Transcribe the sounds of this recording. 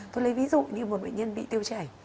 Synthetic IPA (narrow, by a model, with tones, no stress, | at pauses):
t̪o˧jlə˨˦jvi˨˦zṵ˧˨ɲɨ˧mo˨˩ɓə̰˧˨jɲə˧nɓḭ˧˨t̪i˧əwt͡ɕɛ˧˩j